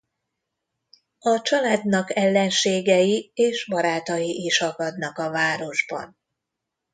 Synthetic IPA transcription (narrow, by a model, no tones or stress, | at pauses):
ɒt͡ʃɒlaːd̪nɒkɛlːɛnʃeːɡɛjieːʃbɒɾaːt̪ɒjiʔiʃɒɡɒd̪nɒkɒvaːɾo̞ʒbɒ̰n